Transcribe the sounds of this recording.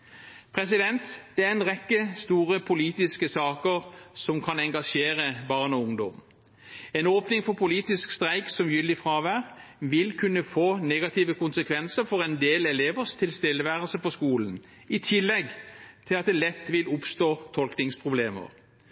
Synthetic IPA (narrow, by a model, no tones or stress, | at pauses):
pʰʁɛsɪd̪ɛnt̪d̪̥ɛæʁɛnʁɛkːəst̪uːʁəpʰʊliːt̪ɪskəsɑːkəʁsɔmkʰɑnɛŋɡɑʂeːʁəbɑːʁnɔʊŋd̪ɔm | ɛnoːpnɪŋfɔʁpʰʊliːt̪ɪskst̪ʁæɪksɔmjʏld̪ɪfʁɑːʋæːʁʋɪlkʰʉnːəfoːneːɡɑt̪ʰiːʋəkʊnsəkʰʋɛnsəfɔʁɛnd̪eːlɛleːʋəʁst̪ʰɪlst̪ɪlːəʋæːʁəsəpɔskuːlən̩ | ɪt̪ʰɪlːɛɡt̪ʰɪlɑt̪̚d̪ɛlɛt̪ːʋɪlʊpst̪oːt̪ʰɔlknɪŋspʰʁʊbleːmə̰ʁ